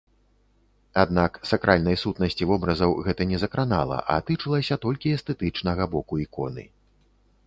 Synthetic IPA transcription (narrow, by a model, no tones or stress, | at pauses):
ad̪naksakɾʔalʲnɐjsut̪nɐsʲt͡sʲivɔbɾɐzɐwɣɛt̪ɐnʲɛzɐkɾana̰lˠɐ̰ʔɐ̰t̪ɨt͡ʂɨlˠɐsʲɐt̪ɔlʲkʲiɛst̪ɛt̪ɨt͡ʂnɐɣɐbɔkuikɔ̰nɨ̰